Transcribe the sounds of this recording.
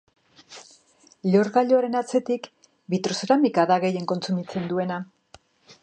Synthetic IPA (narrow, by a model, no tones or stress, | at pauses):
ʎoɾɣaʎoaɾe̞nat͡se̞t̪ik | bit̪ɾo̞seɾamikaðaɣe̞je̞ŋko̞nt͡sumit͡se̞nd̪ue̞na